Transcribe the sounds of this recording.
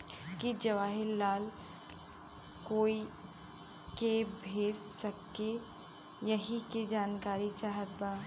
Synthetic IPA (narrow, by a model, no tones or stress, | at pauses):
kid͡ʒɐʋaːɦɪɾːaːl | koːi | kebʱeːd͡ʒsɐkːe | jɐɦiked͡ʒaːnkaːɾit͡ʃaːɦət̪̚baː